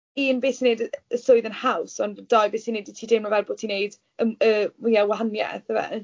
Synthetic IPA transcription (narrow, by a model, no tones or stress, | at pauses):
inbeːsinejdəəsoɨðənhawsɔnd̥ajbeːsinejditʰiːdɪmɔvɛlboːtʰinejd | əəjɛwaanjɛ̰θəvɛ̰